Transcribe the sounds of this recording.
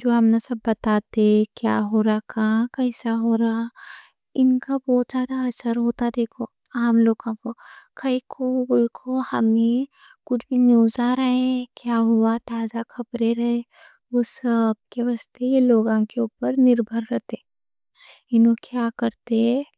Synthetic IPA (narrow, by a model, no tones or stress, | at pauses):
d͡ʒoːɦɐmnasɐbːɐt̪aːt̪ekja̰ːɦoːɾakãːkɐɪsaɦoːɾaː | ɪnkabɔːt̪zjaːd̪aɐsəɾɦoːt̪ad̪eːkʰo | aːmloːɡkõkokɐikʰobʊlkʰohɐmekʊt͡ʃʰbʱinjuːzaɾɐɦẽkjaːɦʊat̪aːzakʰɐbɾeɾɐɦe | ʋoːsɐb̚keʋast̪ejeloːɡãkeuːpəɾnɪɾbʱəɾːɐt̪eː | ɪnokjaːkɐɾt̪eɦɛ̃